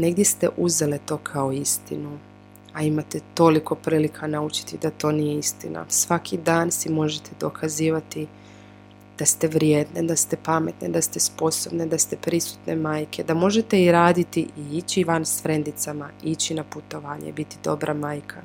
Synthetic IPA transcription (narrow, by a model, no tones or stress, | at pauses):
ne̞ɡd̪je̞st̪e̞̰ʔuze̞let̪o̞ːkʰao̞ist̪ḭnu | aimat̪et̪o̞liko̞pɾiːlikʰanaut͡ʃi̥t̪id̪at̪o̞ːnijeist̪ina̰sʋakʰid̪aːnsimo̞ʒet̪ʰe̞d̪o̞kʰaziːʋat̪i | d̪̥ast̪e̞ʋɾjed̪ned̪ast̪e̞pame̞t̪ned̪ast̪espo̞so̞bne̞d̪ast̪e̞pɾisu̥t̪ne̞maːjkʰe̞d̪amo̞ʒe̞t̪e̞iɾaːd̪it̪iʔiit͡ɕiʋansʋɾe̞nd̪it̪samait͡ɕinaput̪o̞ʋaːɲḛbit̪id̪o̞̰bɾʔamaːjkʰa